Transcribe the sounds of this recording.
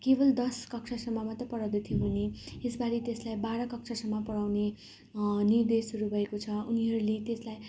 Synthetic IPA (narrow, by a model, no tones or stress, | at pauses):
kebʌld̪ʌskʌksʰʌsʌmːʌmʌt̪rʌpʌɽawd̪ut̪ʰijobʱuneesbaɾit̪eslajbaɾʌkʌk̚sʰʌsʌmːʌpʌɽawne | nird̪esuɾubʱʌekot͡sʰʌuniɦʌɾulet̪eslaj